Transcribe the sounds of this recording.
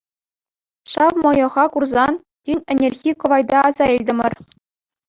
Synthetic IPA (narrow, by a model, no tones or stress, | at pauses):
ɕɑʋmojɤ̆ʁɑkurzɑn | tʲinʲɘ̆nʲerʲɣʲikɤ̆ʋɑjd̪ɑɑzɑilʲdʲɘ̆mʲɘ̆r